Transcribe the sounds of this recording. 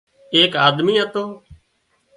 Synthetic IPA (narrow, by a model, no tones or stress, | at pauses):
eːkaːd̪miːət̪oː